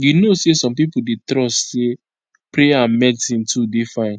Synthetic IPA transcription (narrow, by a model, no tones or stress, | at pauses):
jinosesɔ̃mpipudetɾɔsse | pɾeaãnmɛsĩntudefãɪ̃n